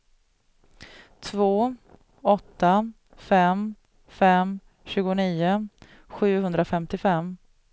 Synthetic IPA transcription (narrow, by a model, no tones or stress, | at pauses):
t̪ʰvoː | ɔt̪ːa | fɛm | fɛm | ɕʉ̟ːɡʊniːʊ | ɧʉ̟ːhɵnd̪ɾafɛmt̪ɪfɛmː